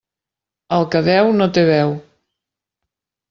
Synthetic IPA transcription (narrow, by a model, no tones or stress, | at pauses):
əlˠkəðɛwnot̪eβɛw